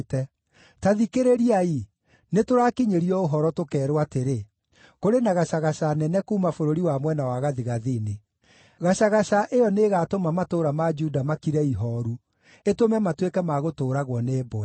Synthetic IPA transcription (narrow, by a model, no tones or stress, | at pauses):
tɛ | taðikeɾeɾiai | netoɾakiɲeɾiɔoɦɔɾɔtokɛːɾwateɾe | koɾenaɣaɕaɣaʃanɛnɛkuːmafoɾoɾiwamwɛnawaɣaðiɣaðine | ɣaɕaɣaɕaʔejɔneːɣatomamatoːɾamad͡ʒudamakiɾɛiɦɔɾu | etomɛmatwekɛmaɣotoːɾaɣwɔneːbɔɛ